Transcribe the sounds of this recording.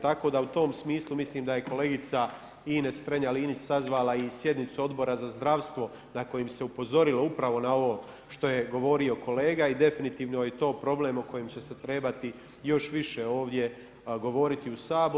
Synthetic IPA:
t̪ako̞d̪aut̪o̞ːmsmiːslˠumisliːmd̪aje̞ko̞le̞ːɡit̪sa | iːnest̪ɾeɲaliːnit͡ɕsazʋaːlaisje̞d̪nit̪suo̞d̪bo̞ɾazazd̪ɾaʋst̪ʋo̞ | nako̞jimse̞upo̞zo̞ɾilo̞upɾaʋo̞nao̞ʋoː | ʃt̪o̞jeɡo̞ʋo̞ɾio̞ko̞leːɡaid̪e̞finit̪iːʋno̞jet̪o̞ːpɾo̞ble̞ːmoko̞jemt͡ɕese̞t̪ɾe̞ːbat̪i | jo̞ʃʋiʃeo̞ːʋd̪je̞ | ɡo̞ʋo̞ɾit̪iusaːb

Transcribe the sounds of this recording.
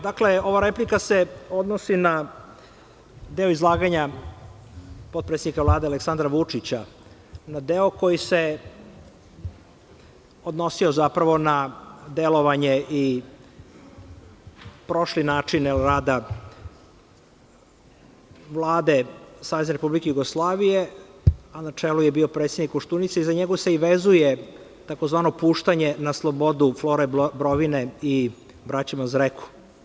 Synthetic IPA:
d̪akle̞o̞ʋaɾe̞plikase̞o̞d̪nosina | d̪eoizlˠaːɡaɲa | pod̪̚pɾet̪ed̪nikavlˠaːd̪ealeksand̪ɾaʋut͡ʂit͡ɕa | nad̪eoko̞jise̞ | o̞d̪no̞siozapɾaʋo̞nad̪elo̞ʋaɲe̞ʔi | pɾo̞ʃlinaːt͡ʂinelɾaːd̪a | ʋlˠaːd̪e̞saːʋe̞zneɾepublikejuɡoslˠaːʋije | anat͡ʂeːlujebio̞pɾet̪sjed̪nikoʂt̪unit̪seizaɲeɡoseiʋezuje | t̪ako̞zʋaːnopuːʃt̪aɲenaslˠobo̞d̪uflo̞ɾebɾoʋinei | bɾat͡ɕimazɾekʰu̥

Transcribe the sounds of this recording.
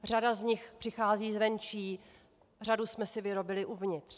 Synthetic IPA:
r̝adazɲɪxpr̥ɪxaːziːzvɛnt͡ʃiː | r̝adusmɛsɪvɪɾo̞bɪlɪʔuvɲɪt̪r̥

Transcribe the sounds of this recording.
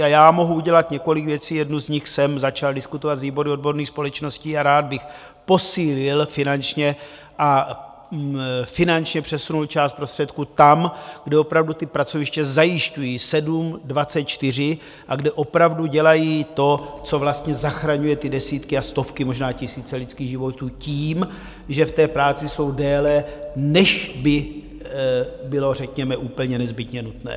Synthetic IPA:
ajaːmo̞ɦuuɟɛlat̪ɲɛko̞lɪkvjɛt͡siːjɛdnuzɲɪxsɛmzat͡ʃaldɪskut̪ovat̪zviːbo̞ɾɪod̚bo̞ɾniːxspo̞lɛt͡ʃno̞sciːaɾaːd̪̚bɪx | po̞siːlɪlfɪnant͡ʃɲɛ | ʔa | fɪnant͡ʃɲɛpr̝̥ɛsunult͡ʃaːst̪̚pɾost̪r̥ɛt̪kut̪amɡdɛo̞pɾavdut̪ɪpɾat͡so̞vɪʃt͡ʃɛzajɪʃcujiːsɛdumdvat͡sɛt̪̚t͡ʃt̪ɪr̝ɪ | ʔaɡdɛʔo̞pɾavduɟɛlajiːt̪o̞t͡so̞vlast̪ɲɛzaxɾaɲujɛt̪ɪdɛsiːt̪kɪast̪o̞fkɪmo̞ʒnaːcɪsiːt͡sɛlɪt͡skiːɣʒɪvo̞t̪uːciːm | ʒɛft̪ɛːpɾaːt͡sɪso̞wdɛːlɛnɛʃbɪ | bɪlo̞rɛkɲɛmɛʔuːpl̩ɲɛnɛzbɪt̪ɲɛnut̪nɛ̰ː

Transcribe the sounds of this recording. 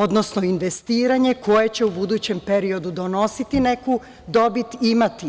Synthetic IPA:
o̞d̪no̞sno̞inʋe̞st̪iːɾaɲe̞kʰo̞je̞t͡ɕe̞ubud̪uːt͡ɕe̞mpe̞ɾio̞d̪ud̪o̞no̞sit̪ine̞ku | d̪o̞bit̪imat̪i

